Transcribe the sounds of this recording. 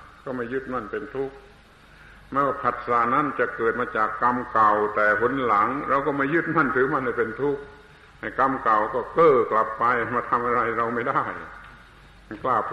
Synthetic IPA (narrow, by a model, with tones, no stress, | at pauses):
kɔː˥˩ma˧˥˩jɯ˦˧˥t̪̚ma˧˩npe˧nt̪ʰu˦˥˩k̚ | ma˧˥nwaː˧˩pʰa˨˩t̪̚saː˨˩˦na˧˥˨nt͡ɕa˨˩kɤː˨˩t̪̚maː˧t͡ɕaː˨˩kːa˧mka˨˩wt̪ɛː˨˩ɦo˧˥nla˨˦ŋɾa˧wkɔː˧˥˩ma˧˥˩jɯ˦˥˩t̪̚ma˧˥˩nt̪ʰɯː˨˦ma˥˩nha˧˩jpe˧nt̪ʰu˦˥˩k̚ | ha˨˩jka˧mka˨˩wkɔː˧˩kɤː˧˩kla˨˩pːa˧jmaː˧˩t̪ʰa˧mʔa˧ɾa˧˩jɾa˧wma˥˩jda˥˩j | m˧˩˨klaː˧˩p̚